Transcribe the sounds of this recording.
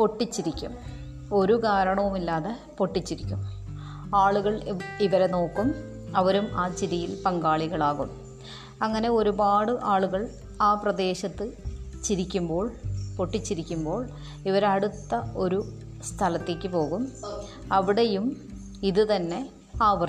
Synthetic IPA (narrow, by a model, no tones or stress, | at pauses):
po̞ʈːit͡ɕːiɾikʲːum | o̞ɾukaːɾɐɳɐʋumilːaːðe | po̞ʈːit͡ɕːiɾikʲːum | aːɭuɣɐɭiʋɐɾe̞no̞ːkːum | ɐʋɐɾumaːt͡ɕiðijilpɐŋɡaːɭiɣɐɭaːɣum | ɐŋːɐne̞o̞ɾubaːɽɨʔaːɭuɣɐɭ | aːprɐd̪e̞ːɕɐt̪ːɨt͡ɕiɾikʲːumbo̞ːɭpo̞ʈːit͡ɕːiɾikʲːumbo̞ːɭ | iʋɐɾeɐɽut̪ːɐo̞ɾu | st̪ʰɐlɐt̪ːeːkʲːɨpo̞ːɣum | ɐʋiɽejum | iðɨt̪ɐnːe̞ | aːʋɐr